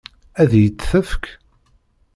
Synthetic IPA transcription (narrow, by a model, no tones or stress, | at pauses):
æðjət͡sːθəfk